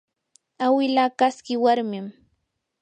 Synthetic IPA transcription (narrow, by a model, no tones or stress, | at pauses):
awɪlaːkaskɪwaɾmɪm